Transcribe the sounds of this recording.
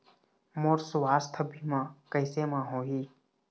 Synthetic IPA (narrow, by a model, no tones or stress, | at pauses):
moːɾsʊʋaːst̪ʰəbʱiːmãːkəɪseːmãːɦoːɦiː